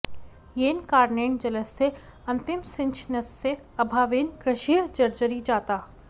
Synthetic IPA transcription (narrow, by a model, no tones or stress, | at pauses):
jeːnkaːɾneːɳd͡ʒɐləsːe | ɐ̃nt̪ɪmsɪ̃nt͡ʃʰnɐsːe | ɐbʱaːʋeːnkɾɪʃiːd͡ʒɐɾd͡ʒəɾid͡ʒaːt̪aː